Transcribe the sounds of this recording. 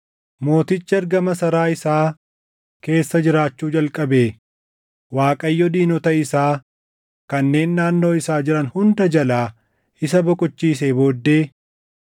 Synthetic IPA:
mo̞ːt̪ɪt͡ʃːɪɐɾɡɐmɐsɐɾaːɪsaː | ke̞ːsːɐd͡ʒɪɾaːt͡ʃːuːd͡ʒɐlkʼɐbeː | waːkʼɐjːɔd̪iːnɔt̪ɐɪsaː | kɐnːe̞ːnːaːnːo̞ːɪsaːd͡ʒɪɾɐnhʊnd̪ɐd͡ʒɐlaː | ɪsɐbɔkʼʊt͡ʃːiːs̬eːbo̞ːd̪ːe̞ː

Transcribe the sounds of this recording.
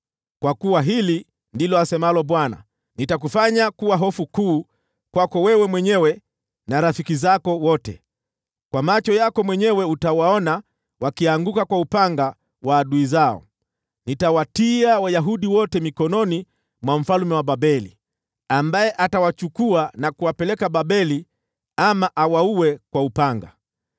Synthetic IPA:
kwakuwaɦili | ndilɔasɛmalɔɓwana̰ | nitak̬ufaɲakuwaɦɔfukuː | kwakɔwɛwɛmwɛɲɛwɛ | naɾafikizakɔwɔtɛ̰ | kwamat͡ʃɔjakɔmwɛɲɛwɛutawaɔna | wakiaŋɡukakwaupaŋɡa | waːɗuizaɔ̰ | nitawatiawajaɦuɗiwɔtɛmikɔnɔni | mwam̩falumɛwaɓabɛli | ambajɛʔatawat͡ʃukuanakuwapɛlɛkaɓaɓɛli | amaʔawauwɛkwaupaŋɡa̰

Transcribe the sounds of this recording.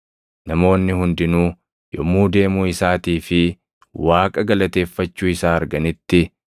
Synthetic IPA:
nɐmo̞ːnːɪhʊnd̪ɪnuː | jɔmːuːd̪e̞ːmuːɪsaːt̪iːfɪ | waːkʼɐɡɐlɐt̪e̞ːfːɐt͡ʃːuːɪsaːɐɾɡɐnɪt̪ːɪ

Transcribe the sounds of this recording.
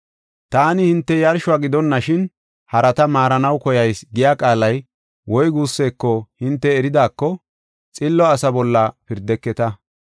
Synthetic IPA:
t̪aːnɪhɪnt̪ːɛjɐɾʃʊaːɡɪd̪ɔnːɐʃɪn | hɐɾɐt̪ɐmaːɾɐnɐwkɔjɐjsɡɪjaːkʼaːlɐj | wɔjɡuːsːeːkːɔhɪnt̪ːɛːɾɪd̪aːkːɔ | t͡sʼɪlːɔɐsɐbɔlːɐpɪɾd̪ɛkːɛt̪ɐ

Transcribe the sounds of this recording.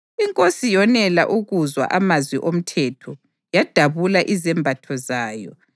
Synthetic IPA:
iŋkʼosijɔnɛlaʔuɣuzwa̰ʔamazwiʔom̩tʰɛtʰɔ | jad̥ʱaβulaʔizɛmbʱatʰɔzaːjɔ̰

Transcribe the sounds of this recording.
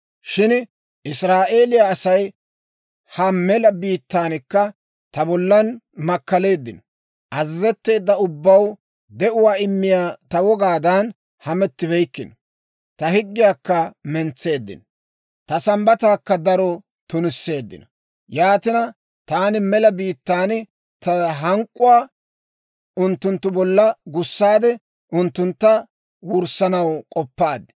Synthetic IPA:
ʃɪn | ɪsɾaːʔe̞ːlɪjaːsɐj | hɐmɛlɐbiːt̪ːaːnɪkːɐ | t̪ɐbɔlːɐn | mɐkːɐle̞ːd̪ːɪnɔ | ʔɐzɪzɛt̪ːe̞ːd̪ːɐʊbːɐw | d̪ɛʔʊwaːɪmːɪjaːt̪ɐwɔɡaːd̪ɐn | hɐmɛt̪ːɪβɛjkːɪnɔ | t̪ɐhɪɡːɪjaːkːɐmɛnt͡sːe̞ːd̪ːɪ̰nɔ | t̪ɐsɐmbɐt̪aːkːɐd̪ɐɾɔ | t̪ʊnɪsːe̞ːd̪ːɪ̰nɔ | jaːt̪ɪnɐ | t̪aːnɪmɛlɐbiːt̪ːaːn | t̪ɐɦɐŋkʼːʊwaː | ʊnt̪ːʊnt̪ːʊbɔlːɐɡʊsːaːd̪ɛ | ʊnt̪ːʊnt̪ːɐ | wʊɾsɐnɐwkʼɔpːaːd̪ɪ

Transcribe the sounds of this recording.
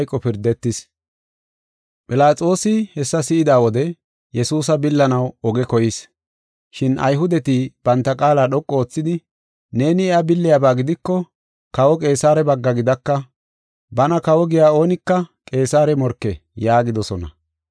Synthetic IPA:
jkʼːɔpɪɾd̪ɛt̪ːɪs | pʼɪlaːt͡sʼo̞ːsɪhɛsːɐsɪʔɪd̪aːwɔd̪ɛ | jɛsuːsɐbɪlːɐnɐwɔɡɛkɔjɪs | ʃɪnʔɐ̰jɦʊd̪ɛt̪ɪb̥ɐnt̪ːɐkʼaːlaːɗɔkʼːoːt͡sːɪd̪ɪ | ne̞ːnɪɛabɪlːɪjaːbaːɡɪd̪ɪkːɔ | kɐwɔkʼe̞ːsaːɾɛbɐɡːɐɡɪd̪ɐkːɐ | bɐnɐkɐwɔɡɪjaːo̞ːnɪkːɐkʼe̞ːsaːɾɛmɔɾkːɛjaːɡɪd̪ɔsɔnɐ̰

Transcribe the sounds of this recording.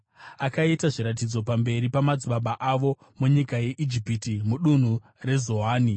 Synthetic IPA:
akaitaʐiɾatid͡zo̞pambe̞ɾipamad͡ziɓaɓaʔaʋo̞ | muɲikaje̞ʔid͡ʒipitimuɗun̤u | re̞zo̞ɦaːni

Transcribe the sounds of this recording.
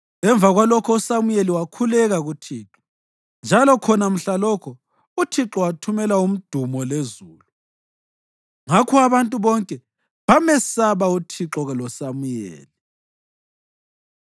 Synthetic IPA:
ɛɱb̪vʱaɣwalɔkʰɔusamujeliwakʰulɛɣaɣutʰiːǁɔ̥ | nd͡ʒʱalɔkʰɔnam̩ɬalɔkʰɔ | utʰiǁɔwatʰumɛlaum̩d̥ʱumɔlezuːlu | ŋakʰuaβantʼuβɔŋkʼɛ | βamɛsaβautʰiǁɔɣɛlɔsamujḛːli

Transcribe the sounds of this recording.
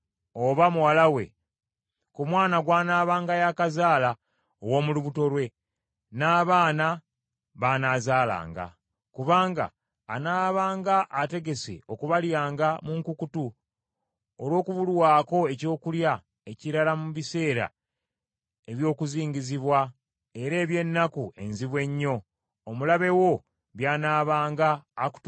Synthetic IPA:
o̞βamuwalawe̞̰ | kumwaːnaɡwaːnaːβaːŋɡajakazaːla | owo̞ːmuluβuto̞lwe̞ | naːβaːna | βanaːzaːla̰ːŋɡa̰ | kuβaːŋɡa̰ː | naːβaːŋɡaʔːte̞ɡe̞se̞̰o̞kuβaljaːŋɡamuŋkukutu | olwo̞ːkuβulwaːko̞e̞co̞ːkulja | e̞ciɾalamuβise̞ːɾa̰ | e̞βjo̞ːkuziːɲɟiziβwa | e̞ɾe̞ːβje̞nːakue̞nziβwe̞ɲːo̞ː | mulaβe̞wo̞ | βjaːnaːβaːŋɡaːku̥

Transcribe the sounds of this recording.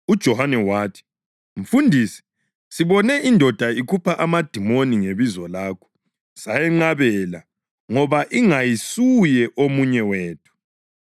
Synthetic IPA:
ud̥ʒ̥ʱɔhanɛwaːtʰi̥ | ɱ̩fundʱiːsɛ̥ | siβɔnɛindʱɔd̥ʱaikʰupʰaʔamad̥ʱimoniŋeβizɔlaːkʰɔ̥ | sajɛŋ͡ǃaβɛla | ŋɔβaʔiŋajisujɛʔomuɲɛweːtʰu̥

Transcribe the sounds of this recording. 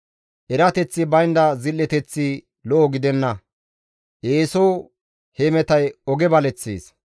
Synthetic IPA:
ʔɛɾɐt̪ɛt͡sːɪbɐjnd̪ɐzɪlːɛt̪ɛt͡sːi | lɔʔɔɡɪd̪ɛnːɐ | ʔeːsow | hemɛt̪ɐjɔɡɛbɐlɛt͡sːḛːs

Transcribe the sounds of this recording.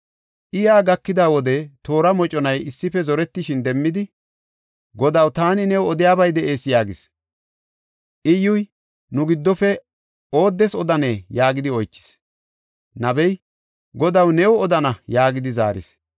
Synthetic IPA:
ʔɪjaːɡɐkːɪd̪aːwɔd̪ɛt̪o̞ːɾɐmɔt͡ʃʼɔnɐjɪsːɪfɛzɔɾɛt̪ːɪʃɪnd̪ɛmːɪd̪ɪ | ɡɔd̪ɐwt̪aːnɪnɛwɔd̪ɪjaːbɐjd̪ɛʔe̞ːsɪjaːɡɪs | ʔɪjʊj | nʊɡɪd̪ːɔfɛ | o̞ːd̪ːɛsɔd̪ɐne̞ːjaːɡɪd̪ɪɔjt͡ʃːɪ̥s | nɐbɛj | ɡɔd̪ɐwnɛwɔɔd̪ɐnɐjaːɡɪd̪ɪza̰ːɾɪ̰s

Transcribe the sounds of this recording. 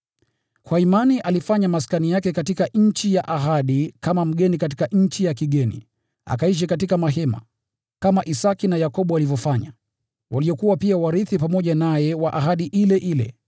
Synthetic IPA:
kwaimaniʔalifaɲamas̬kanijakɛkatikaɲ̩t͡ʃijaʔaɦaɗikamam̩ɠɛnikat̬i̥kaɲ̩t͡ʃijakiɠɛnḭ | a̰kaiʃ̬ikatikamaɦɛma̰ | kamaʔisakinajakɔɓualivjɔfaɲa̰ | waliɔkuwapiawaɾiθipamɔʄanajɛwaʔaɦaɗiʔilɛʔilɛ̰

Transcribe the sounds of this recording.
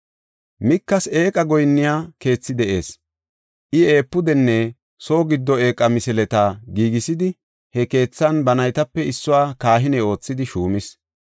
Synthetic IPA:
mɪkːɐseːkʼɐɡɔjnːɪjaːke̞ːt͡sːɪd̪ɛʔe̞ːs | ʔɪe̞ːpːʊd̪ɛnːɛ | so̞ːɡɪd̪ːɔe̞ːkʼːɐmɪsɪlɛt̪aɡiːɡɪsɪd̪ɪ | hɛke̞ːt͡sːɐnbɐnɐjt̪ɐpːɛɪsːʊwaːkaːɦɪnɛo̞ːt͡sːɪd̪ɪʃuːmɪs

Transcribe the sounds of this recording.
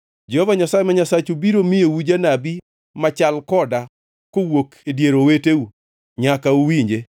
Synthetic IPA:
d͡ʒɛhɔvaɲasajemaɲasat͡ʃubiɾomɪjowud͡ʒanabi | mat͡ʃalkɔda | kowokedjeɾoweteu | ɲakauwiɲd͡ʒe

